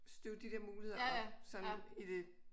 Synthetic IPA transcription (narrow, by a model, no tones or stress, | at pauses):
sd̥øʊd̥id̥eɐmuːlie̝ð̰ˠɐɒsɒ̽nid̥e̝